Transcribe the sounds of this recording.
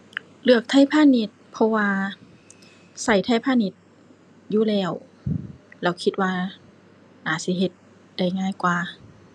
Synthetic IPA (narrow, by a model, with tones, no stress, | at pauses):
lɯ˧˩ək̚t̪ʰa˧˥˨jpʰaː˧˥˨ni˧˥t̪̚pʰɔ˧waː˧ | sa˧˩jt̪ʰa˧˥˩jpʰaː˧˥˨ni˧˦t̪̚ | juː˧˨lɛː˧˩w | lɛː˧˩wkʰi˧t̪̚waː˧ | naː˨˩˦si˧˦ɦe˧˦t̪̚ | da˧˩jŋaː˧˥˨jkwaː˧